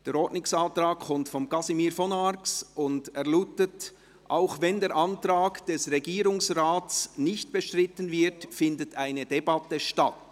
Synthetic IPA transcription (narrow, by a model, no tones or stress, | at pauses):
d̥eːɾɔtnɪksɑːtɾaːk̚kʰɔmtfɔmɡɑsimiːɾfɔnaɾksʊndɛʁlutət | ʔa̰ʊxvɛndeːɾʔɑntraːkd̥ɛsʁɛɡiːɾʊŋsraːtsnɪçt̚b̥əʃtʁɪtənvɪɾtfɪndətʰaɪnəd̥ɛbɑtəʃtat